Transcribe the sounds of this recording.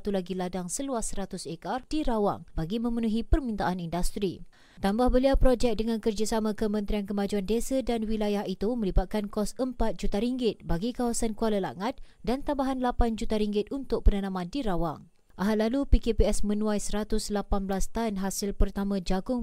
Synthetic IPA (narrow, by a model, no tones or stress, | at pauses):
t̪ulaɡiladaŋsəluasəɾat̪ʊsekardiɾawa̰ŋbaɡimə̃mənuɦipərmint̪aʔanindast̪ɾi | t̪ambahbəliawpɾod͡ʒɛk̚dəŋãnkərd͡ʒasamãkəmə̃nt̪ɾiankəmãd͡ʒuandesadanwilajahit̪umə̃libat̪̚kankɔsəmpat̪̚d͡ʒut̪aɾiŋɡɪt̪̚baɡikawasankualəla̰ŋat̪̚dant̪ambaɦanlapand͡ʒut̪aɾiŋɡɪt̪̚unt̪ʊk̚pənanãmãndiɾawa̰ŋ | ʔaɦat̪̚lalupikepiɛsmə̃nũajsəɾat̪ʊslapanblast̪anɦasɪlpərt̪amãd͡ʒaɡʊŋ